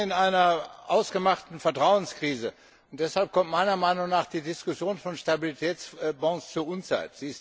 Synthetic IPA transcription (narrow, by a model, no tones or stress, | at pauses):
ɪnʔaɪnɐʔaʊsɡ̥əmaχtn̩fɛɐtʁ̥aʊənskʁ̥iːzə | ʊntd̥ɛshalp̚kʰɔmtmaɪnɐmaɪnʊŋnaːχd̥iːdɪskʊsjoːnfɔnʃtabilitʰɛːt͡sbɔ̃ŋst͡suɐʔʊnt͡sa̰ɪtz̥iːɪs